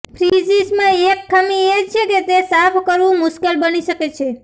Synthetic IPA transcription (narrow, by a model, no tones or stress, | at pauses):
pʰɾid͡ʒismãekːamiet͡ʃʰeket̪esapʰkəɾʋũmʊʃkelbəniʃəket͡ʃʰe